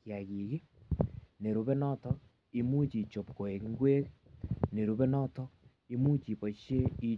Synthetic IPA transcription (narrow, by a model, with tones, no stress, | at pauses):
kja˨ɣi˨ki˦ | ne˨ɾu˨βɛ˦nɔ˦tɔ˦ | i˦mu˦t͡ʃi˨t͡ʃo˨pko˨e˨ki˦ŋɡwe˦kne˨ɾu˨βɛ˦nɔ˦tɔ˦ | i˦mu˦t͡ʃi˨pɔ˨ʃje˦i˦